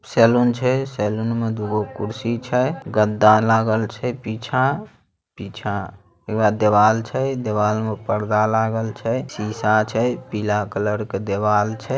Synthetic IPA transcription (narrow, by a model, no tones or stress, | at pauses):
sɛlunt͡ʃʰɛsɛlunmed̪uɡokuɾsit͡ʃʰɛɡəd̪ːalaɡəlt͡ʃʰɛpit͡ʃʰã | pit͡ʃʰã | ekbad̪eʋalt͡ʃʰɛd̪eβalmepəɽd̪alaɡəlt͡ʃʰɛsisat͡ʃʰɛpilakələɾked̪eʋaːlt͡ʃʰɛ